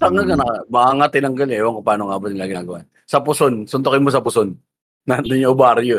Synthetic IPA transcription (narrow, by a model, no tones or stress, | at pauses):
t̪ɐŋɡɐlkɐnɐmɐaŋat̪ɪnɐŋɡɐlɛʔwɐŋkʊpaːnoŋaːbot̪ɐŋlaːɡɪnaɡɐwan | sɐpʊsonsʊnt̪okɪnmos̬ɐpʊsonː | ɐnd̪ʊɲoʔʊbaːɾɪjo